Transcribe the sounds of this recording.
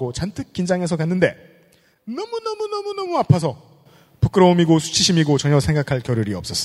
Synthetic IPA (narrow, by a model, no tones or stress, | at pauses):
ɡot͡ɕantʰɯk̚k͈ind͡ʑaŋe̞sʰʌkanːɯnde̞ | nʌmunʌmunʌmunʌmuapʰasʰʌ | puk͈ɯɾʌumiɡosʰu̥t͡ɕʰiɕʰimiɡot͡ɕʌɲʌsʰe̞ŋɡakʰaɭkjʌɾjuɾiʌp̚s͈ʌs͈